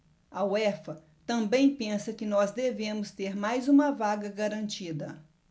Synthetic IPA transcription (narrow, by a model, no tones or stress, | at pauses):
ɐwɛfɐ | t̪ɐ̃bẽj̃pẽsɐkɪnɔzd̪evẽmʊst̪eɾmajzũmɐvaɡɐɡaɾɐ̃nt͡ʃid̪ɐ